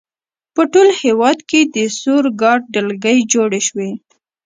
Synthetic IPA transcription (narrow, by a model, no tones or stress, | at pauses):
pəʈolhewɑd̪ked̪əsoɾɡɑɖ̚ɖəlɡəjd͡ʒoɽeʃwe